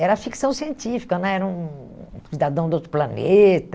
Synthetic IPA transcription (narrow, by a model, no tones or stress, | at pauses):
ɛɾɐfiksɐ̃w̃siẽntifi̥kɐnɐ̃ɛɾɐũsid̪ad̪ɐ̃w̃d̪ot̪ɾʊplɐnet̪ɐ